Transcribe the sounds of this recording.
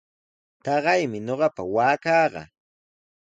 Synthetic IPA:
t̪ɑɢɑjmɪɲoɢɑpa̰waːkɑːɢɑ̰

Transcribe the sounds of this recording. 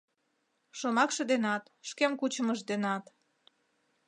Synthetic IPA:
ʃomɑkʃɤ̆d̪enɑt̪ | ʃkemkut͡ɕə̆məʃd̪enɑt̪

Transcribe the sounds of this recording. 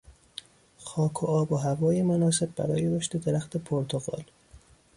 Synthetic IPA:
xɒːkʰoɒːboɦævɒːjemonɒːse̞b̚bæ̰ɾɒ̰ːjeɾoʃt̪ed̪eɾæxt̪ʰe̞pʰoɾt̪ʰoɣɒ̰ːl

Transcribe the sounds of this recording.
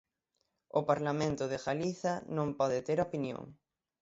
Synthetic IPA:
ʊpaɾlamẽnt̪ʊðɪɣaliθɐnõmpɔðɪt̪eɾopinjõ̰ŋ

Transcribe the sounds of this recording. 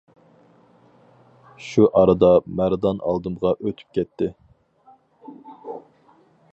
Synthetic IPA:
ʃuʔɑɾɨd̪ɑmæɾd̪ɑnɑ̰lˠd̪ɨmʁɑʔøt̪ʰy̥p̚kʲʰɛt̪ʰːɪ

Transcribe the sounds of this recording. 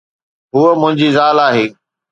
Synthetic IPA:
ɦuːəmʊ̃ɦɪ̃ɲd͡ʑiːzaːlaːɦeː

